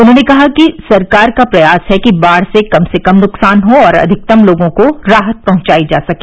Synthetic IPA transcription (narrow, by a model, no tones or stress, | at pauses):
ʊnɦõːnekɐɦakisɐɾkaːɾkapɾɐjaːsɦɛkibaːɽ̤sekɐmsekɐmnʊksaːnɦoɔːɾɐ̰d̪ʱɪk̚t̪ɐmloːɡõkoɾaːɦət̪̚pɐɦʊ̃ɲt͡ʃaːid͡ʒa̰ːsɐkẽː